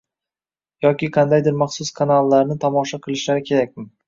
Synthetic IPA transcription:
jɒkʲɪqʰɑnd̪ajd̪ɪɾmɑχsʊskʰanalˠːaɾnɪt̪ʰɒmɒʃaqʰɨlˠɪʃlaɾɪkʲʰe̞ɾak̚ʲmɪ

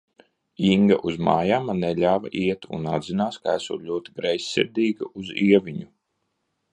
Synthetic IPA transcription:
iŋɡa̰ʔuzmaːjamaneʎaːva̰ʔiɛt̪ṵnad̪zinaːskaæsṵːlʲuɔt̪iɡɾajsʲːḭɾd̪ʲiːɡa̰ʔuziɛvʲiɲu

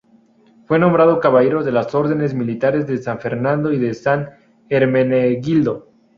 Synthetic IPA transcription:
fwe̞nõ̞mbɾaðo̞kaβaʝeɾo̞ðe̞laso̞ɾðe̞ne̞zmilit̪aɾe̞zðesaɱfe̞ɾnãnd̪o̞iðe̞san | eɾmeneɣild̪o̞

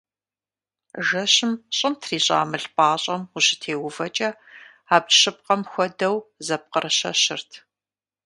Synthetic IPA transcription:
ʒɐɕɪmɕʼɪmtʰriːɕʼa̰ːmɨɬpʼaːɕʼɐmuɕɪ̥tʰeːwʊvɐt͡ʃʼɐ | aːbɕɨp̚qɐmxʷɔdɐwzɐp̚qərɨɕɐ̰ɕɪrtʰ

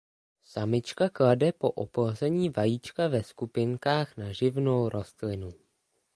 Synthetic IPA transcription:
samɪt͡ʃkakladɛpo̞ʔo̰plozɛɲiːvajit͡ʃkavɛskupɪŋkaːxnaʒɪvno̞wɾʔo̞st̪lɪnu

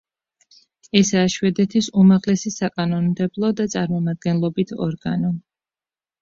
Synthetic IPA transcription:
ɛsaːʃwɛd̪ɛt̪ʰisumaʁlɛsisakʼanɔnmd̪ɛblˠɔd̪at̪sʼaɾmɔmad̪̚ɡɛnlˠɔbit̪ʰɔ̰ɾɡanɔ

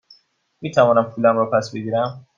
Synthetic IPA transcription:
miːt̪ʰævɔːnæmpʰulæmɾɔpʰæsbe̞ɟiːɾæm

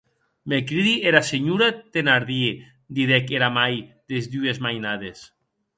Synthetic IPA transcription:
mekɾiðieɾaseɲuɾat̪enaɾðie | d̪iðɛkeɾamajd̪ezd̪uezmajnaðes

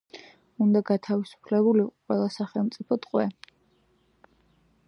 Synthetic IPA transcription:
und̪aɡat̪ʰavisu̥pʰlɛbuliqʼwɛlˠasaχɛlˠmt̪sʼipʰɔt̪ʼqʼwɛ

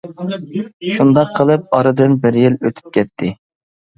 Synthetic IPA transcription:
ʃund̪ɑqʰːəlˠɨp̚ɑɾɨd̪ɨnbɪɾjiløt̪ʰy̥p̚kʲʰɛt̪ʰːɪ

